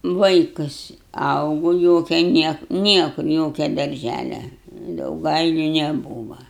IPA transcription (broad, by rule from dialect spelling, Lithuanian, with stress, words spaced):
ˈʋɐɪkʊs ˈɐʊɡoː ˈjoːkʲɛ ˈnʲiɛk ˈnʲiɛkʊr ˈjoːkʲɛ dɐrʲˈʒʲælʲɛ dɐʊˈɡɐɪlʲʊ nʲɛˈbuːʋɐ